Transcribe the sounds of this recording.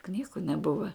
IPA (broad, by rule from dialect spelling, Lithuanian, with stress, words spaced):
ˈknʲiːɡʊ nʲɛˈbʊʋɐ